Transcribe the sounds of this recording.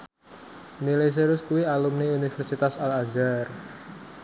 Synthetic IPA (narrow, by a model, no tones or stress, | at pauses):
nilajs̬eɾʊskuwialumniunifɛrsit̪asalazar